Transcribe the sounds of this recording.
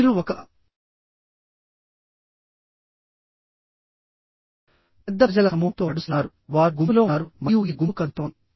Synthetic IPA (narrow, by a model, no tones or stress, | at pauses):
ɾuɔkɐ | pɛd̪ːɐd͡ʒɐlɐɐmɐwɐmt̪oːɐɽusnaːɾu | ʋaːɾɡumlo̞ːaːɾumɐjuːɡiɡumkɐnt̪oːn